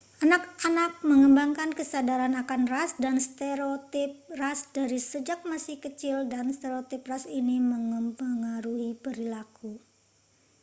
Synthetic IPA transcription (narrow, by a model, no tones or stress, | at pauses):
ʔanakanak̚məŋəmbaŋkankəsadaɾanakanrasdanst̪eɾot̪ɪp̚rasd̥aɾisəd͡ʒak̚masɪhkət͡ʃɪldanst̪eɾot̪ɪp̚rasiniməŋəmpəŋaɾuhib̥əɾilaku